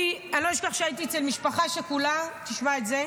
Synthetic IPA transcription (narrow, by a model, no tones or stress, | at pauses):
ianloiʃkaχʃeait̪iet͡selmiʃpaχaʃekulat̪iʃmaet̪ze